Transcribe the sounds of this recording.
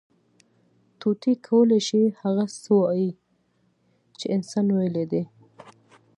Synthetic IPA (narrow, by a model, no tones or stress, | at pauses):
t̪ut̪ikʰawəleʃihaɣasəwji | t͡ʃeɪnsɑnwajeled̪e